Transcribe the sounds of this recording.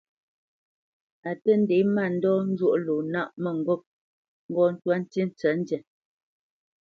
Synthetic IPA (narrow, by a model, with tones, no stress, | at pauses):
a˨tə˦n̩˦de˨˦ma˦˨n̩˦dɔ˦n̩˦d͡ʒwo˦ʔlo˨na˦˨ʔmə˨ŋ̩˨ɡo˦˨p̚ | ŋ̩˦ɡɔ˦n̩˦twa˦n̩˦ti˦n̩˦t͡sɛ˨˦n̩˦djɛ˨